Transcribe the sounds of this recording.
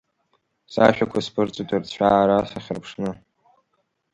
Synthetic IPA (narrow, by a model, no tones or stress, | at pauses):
sa̰ʃᶣakʷʰaspʰɨrt͡sʼatʼɨrt͡ɕʷʰᶣaːɾasaχʲɪrpʰʂnɨ